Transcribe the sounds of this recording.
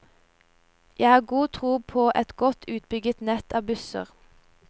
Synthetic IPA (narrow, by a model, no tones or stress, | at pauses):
jæɪhɑːɡuːt̪ʰʁuːpʰoːʔɛt̪ɡ̥ɔt̪ʰʉːt̪̚bʏɡət̪nɛt̪ʰɑːbʉsə̰ʁ